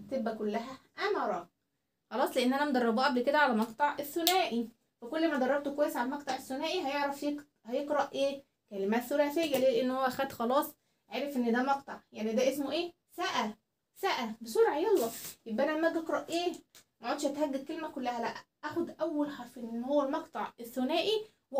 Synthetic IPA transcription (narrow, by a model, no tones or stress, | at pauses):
t̪ebːækolːæɦæʔæmɑɾˤɑ | xɑlɑːsˤleʔenːʔænæmd̪ɑrˤːɑbuʔæblked̪æʕalæmɑqt̪ˤɑʕʔeθːonæːʔi | fækolːmæd̪ɑrˤːɑb̚t̪okwæjːesʕalæmɑqt̪ˤɑʕeθːonæːʔiɦæjeʕɾæfje | hæjeqɾɑʔʔeː | kælemæːt̪θoɾæːsejːæleːleʔenːhowːæʔxæd̪xɑlɑːsˤ | ʕeːɾefʔenːed̪æːmɑqt̪ˤɑʕjaʕnid̪æːʔesmoʔeː | sæʔæ | sæʔæbesuːɾʕejelːɑjebʔænæmæɡeqɾˤɑʔʔeːmæʕoːd̪ʃhæt̪hæɡːæd̪̚kelmækolːæhælæʔæʔæxod̪ʔæwːælħɑɾˤfʔenːhowːælmɑqt̪ˤɑʕeθːonæːʔi | w